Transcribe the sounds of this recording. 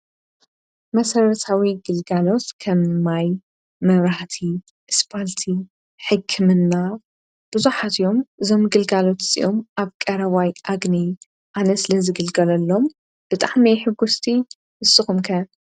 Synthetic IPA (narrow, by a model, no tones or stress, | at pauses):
mɐsɐɾɐt̪ʰawiɡɨlɡalo̞t̪kʰɐmːaj | mɐβɾaht̪ʰi | ʔɨspʰalt̪ʰi | ħɨkʰːɨmɨnːa | b̥ɨzuħat̪ʰjo̞mʔɨzo̞mɡɨlɡalo̞t̪sʼḭʔomʔaβkʼɐɾɐβajʔaɡni | ʔanɐsɨlɐzɨɡɨlɡɐlɐlːo̞m | b̥ɨt̪ʼaʕmiħɨɡust̪ʰi | ʔɨsɨxumkʰɐn